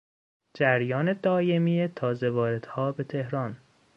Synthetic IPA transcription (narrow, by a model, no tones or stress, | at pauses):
d͡ʒæɾjɒːne̞d̪ɒːjemijet̪ʰɒːzevɒːɾe̞d̪̥hɒːbe̞t̪ʰe̞hɾɒn